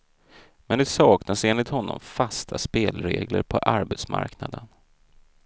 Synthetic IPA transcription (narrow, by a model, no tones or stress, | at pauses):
mɛnd̪ɛsɑːknaseːnlɪt̪hɔnːɔ̰mfast̪ʰaspeːlɾeːɡləɾpʰɔʔaɾbɛt̪sma̰ɾknad̪ən